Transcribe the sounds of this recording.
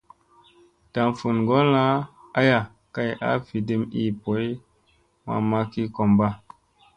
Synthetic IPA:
ta˨mfu˨nɡo˦la˦a˦ja˨ | ka˦jʔa̰˦fi˨de˦mḭ˦po˨˦j | ma̰˨ma˦ki˦ko˨mba˦

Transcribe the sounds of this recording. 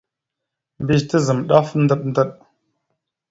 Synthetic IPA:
mbi˦ztə˦zə˨mɗa˦fn̩˦də˦ɗ̚n˦də˦ɗ

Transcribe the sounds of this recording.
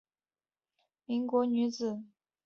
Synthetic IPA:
mi˧˥ŋkwɔ˧˥ny˧˥t͡sɹ̩˨˩˦

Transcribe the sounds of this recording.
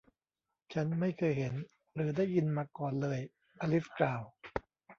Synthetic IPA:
t͡ɕʰa˦˥nma˥˩jkʰɤː˧jɦe˩˦n | ɾɯː˩˦daː˥˩jːi˧nmaː˧kɔː˨˩nlɤː˧j | ʔaː˧li˦˥fklaː˨˩w

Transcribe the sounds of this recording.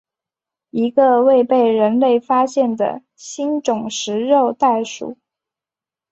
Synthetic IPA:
i˧˥ɡə˧we˥˧ɪpe˥˩ɪɻə˧˥nle˥˩ɪfa˥ɕjɛ˥˩nd̪ə̰˩ | ɕi˥nʈ͡ʂʊ˨˩ŋʂɻ̩˧˥ɻo˥˧ʊt̪a˥˩ɪʂṵ˨˩˦

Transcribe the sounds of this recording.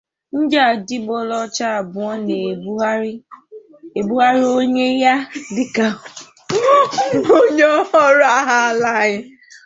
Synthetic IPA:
n̩˦d͡ʒa˨di˦bo˦lɔ˦t͡ʃa˦a˨bʊ˨ɔ˦ne˨˦ | e˨bu˦a˦ɾi˦o˦ɲe˦ja˦dɪ˨ka˨˦ | o˦ɲɔ˦ɔ˦ɾa˦ɦa˦˨la˦˨ɲɪ˦

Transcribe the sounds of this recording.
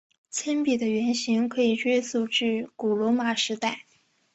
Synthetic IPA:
t͡ɕʰɛ˥npi˨˩d̪ə˦ɥɛ˧˥nɕi˧˥ŋkʰɤ˧˥i˨˩t͡ɕɥɛ˥su˥˩ʈ͡ʂɻ̩˥˩ku˨˩lwɔ˧˥ma˨˩ʂɻ̩˧˥t̪a˥˩ɪ

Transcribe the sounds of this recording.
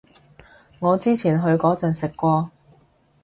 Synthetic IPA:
ŋɔː˨˧t͡siː˥t͡sʰiː˨˩nɦɵ˨˧ɥkɔː˨˥t͡sɐ˨nsɪ˨kːʷɔː˧

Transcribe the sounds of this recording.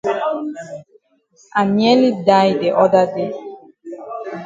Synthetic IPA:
a˨mjɛ˦li˦da˦jde˨ʔɔ˦da˦de˦

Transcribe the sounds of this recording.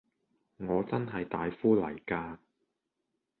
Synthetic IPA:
ŋɔː˨˧t͡sɐ˥nɦɐ˨jt̪aː˨jfuː˥lɐ̰˨˩jkaː˧

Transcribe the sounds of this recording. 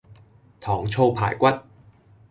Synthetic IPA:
t̪ʰɔː˨˩ŋt͡sʰo˧wpʰa̰ː˨˩jkʷɐ˥t̚

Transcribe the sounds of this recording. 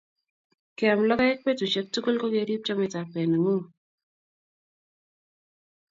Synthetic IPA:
kɪ˨a˨mlɔ˦ka˦ɛ˦k̚pe˦tu˨t͡ʃe˦k̚tu˦ko˦lko˦ɡa˦ɾi˦p̚t͡ʃɔ˦mɛ˨ta˨pe˨n˨ŋo˦

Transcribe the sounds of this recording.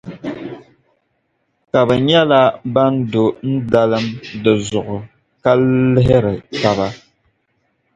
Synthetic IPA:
ka˨bɨ˨ɲɛ˦la˦ba˦n˦do˨n̩˦da˦lɨ˦mdɨ˨zʊ˨ʔʊ˨ | ka˦lɪ˦ɦɪ˦ɾɪ˨ta˦ba˦

